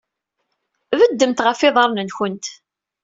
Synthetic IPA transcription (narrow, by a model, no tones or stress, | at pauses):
vəd̪ːəmt̪ʁəfːɪðˤəɾˤnənçənt̪